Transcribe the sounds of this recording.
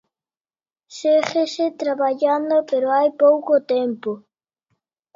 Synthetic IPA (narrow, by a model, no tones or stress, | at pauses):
sexeset̪ɾaβaʎand̪opeɾoajpowkot̪empo